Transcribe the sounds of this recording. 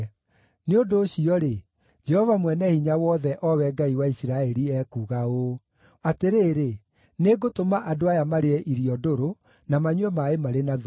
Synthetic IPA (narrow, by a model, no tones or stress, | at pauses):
neondoːɕiɔɾe | d͡ʒɛhɔvamwɛnɛhiɲawɔðɛʔɔwɛɡaiwaisiɾaɛɾiɛkuːɣao | ateɾeːɾe | neɡotomaʔadoajamaɾeɛʔiɾiɔdoɾo | namaɲwɛmaemaɾena